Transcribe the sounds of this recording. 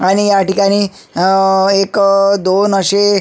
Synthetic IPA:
aɽ̃ijaʈikaɽ̃iː | ekd̪onəɕe

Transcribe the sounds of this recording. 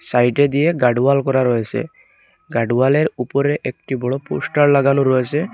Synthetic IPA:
sajʈed̪ijeɡaɖualkɔɾaɾɔjesɛ̰ | ɡaɖualeɾupɔɾeʔek̚ʈibɔɽɔposʈaɹlaɡanoɾɔjesɛ

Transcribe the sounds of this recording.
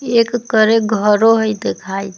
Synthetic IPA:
ekkəɾeɡʱəɾoɦəjd̪ekʰaj

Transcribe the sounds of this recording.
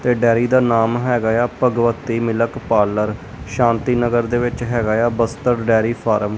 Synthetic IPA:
t̪eːɖɛːɾiːd̪aːnaːmɦɛːɡaːjaːpəɡʋət̪ːiːmɪləkpaːləɾ | ʃãːnt̪iːnəɡəɾd̪eːʋɪt͡ʃɦɛːɡaːjaːbəst̪əɾɖɛːɾiːpʰaːɾəm

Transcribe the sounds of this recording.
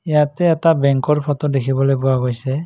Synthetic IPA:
ijatɛːtabɛŋkɔɹpʰɔtɔdekʰibɔlojpʊwaɡojsɛ

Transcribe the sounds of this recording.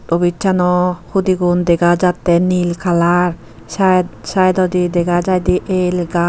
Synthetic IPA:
tɔbitt͡ʃanɔhud̪iɡund̪ɛɡad͡ʒat̪ːɛnilkʰalaɾ | sasajd̪ɔd̪id̪ɛɡad͡ʒajd̪iʔelɡa

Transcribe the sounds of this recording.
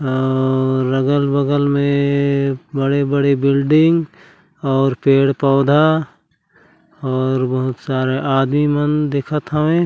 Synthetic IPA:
ɔːəɡəlbəɡəlmẽ | bəɽebəɽebɪlɖɪ̃ŋɡ | ɔːɾpeːɽpɔːd̪ʱa | ɔːɾbəɦʊt̪saːɾeʔaːd̪mimənd̪eːkʰət̪ɦəʋẽ

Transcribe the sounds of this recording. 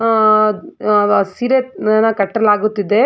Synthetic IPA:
siɾenɐkɐʈːɐlaːɡut̪ːid̪e

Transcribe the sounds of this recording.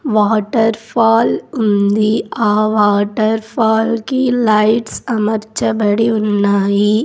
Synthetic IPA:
ʋaːʈɐɾfaːlʊnd̪iaːʋaːʈɐɾfaːlkilɐɪʈsɐmɐɾt͡ʃɐbɐɽiʊnːaːji

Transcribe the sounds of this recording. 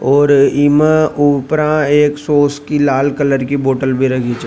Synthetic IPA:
ɔːɾimaʔupɾãeːksoːskilaːlkələɾkiboːʈəlbʱiɾɐkʰit͡ʃ

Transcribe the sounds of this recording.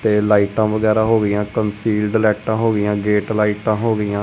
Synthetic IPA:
t̪eːlaːiʈãːʋəɡɛːɾaːɦoːɡɪjãːkənsiːlɖlɛːʈãːɦoːɡɪjãːɡeːʈlaːiʈãːɦoːɡɪjãː

